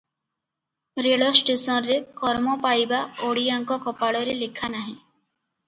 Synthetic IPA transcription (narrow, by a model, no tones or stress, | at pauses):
ɾeɭɔsʈesɔnɾekɔɾmɔpajbaoɽiaŋkɔkɔpaɭɔɾelekʰanaɦĩ